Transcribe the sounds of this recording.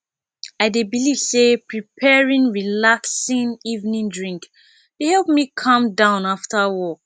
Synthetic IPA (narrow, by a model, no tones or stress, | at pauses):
aɪdebiliv̥sepɹipʰɛɹĩŋɹilaksĩnivnĩndɹĩŋk | dehɛlˠp̚mikʰʌ̃mdãʊ̃naftawɔk̚